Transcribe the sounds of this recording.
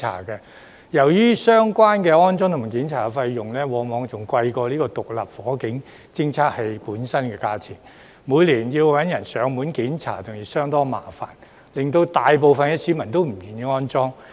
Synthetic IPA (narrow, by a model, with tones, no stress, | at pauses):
a̰ː˨˩kɛ˧ | jɐ˨˩wjyː˥sœː˥ŋkʷaː˥nkɛː˧ɔː˥nt͡sɔː˥ŋt̪ʰʊ˨˩ma˨˩kiː˨˥nt͡sʰaː˨˧fɐ˧jjʊ˨ŋlɛː˥wɔː˨˥ŋmɔː˨˧ŋt͡sʊ˨ŋkʷɐ˧jkɔː˧liː˥kɔː˧t̪ʊ˨k̚lɐ˨p̚fɔː˨˥kɪ˨˥ŋ | t͡sɪ˥ŋt͡sʰaː˥k̚he˨˧jpuː˨˥nsɐ˥nkɛː˧kaː˧t͡sʰɪ˨˩ŋ | muː˨˧jliː˨˩nji˧wwɐ˨˥njɐ˨˩nsœː˨˧˥ŋmuː˨˥nki˨˥nt͡sʰa̰ː˨˩t̪ʊ˨ŋjiː˨˩sœː˥ŋt̪ɔː˥ŋma̰ː˨˩fa̰ː˨˩n | lɪ˨ŋt̪o˧wt̪aː˨jp̬o˨wfɐ˨nkɛː˧siː˨˥mɐ˨˩nt̪o˥wm̩˨˩jyː˨˩njiː˧ŋɔː˥nt͡sɔː˥ŋ